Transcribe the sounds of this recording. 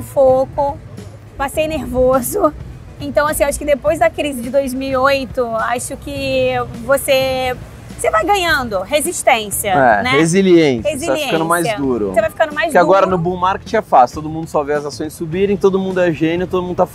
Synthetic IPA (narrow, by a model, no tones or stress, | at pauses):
fokʊ | pasejneɾvozʊ | ẽt̪ɐ̃w̃asĩewaʃʊ̥kɪd̪epojzd̪ɐkɾizɪd͡ʒɪd̪ojzmiwiojt̪ʊaʃʊkɪvose | sevajɡɐ̃ɲɐ̃nd̪ʊɦeziʃt̪ẽsiɐɛnɛeziliẽseziaiefkɐ̃d̪ʊmajzd̪uɾʊ̰sevajfikɐ̃nd̪ʊmajzkɪaɡɔɾɐnʊbũmaɾkɪ̥t͡ʃɛfast̪od̪ʊmũnd̪ʊsɔveɐzasõj̃sːubiɾẽj̃t̪od̪ʊmũnd̪ʊɛʒẽniʊt̪od̪ʊmũnd̪ʊt̪af